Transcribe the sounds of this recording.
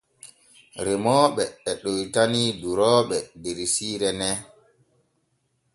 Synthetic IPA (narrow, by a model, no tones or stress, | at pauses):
ɾɛmɔːɓɛɛɗojtaniduɾɔːɓɛdeɾisiːɾɛnɛ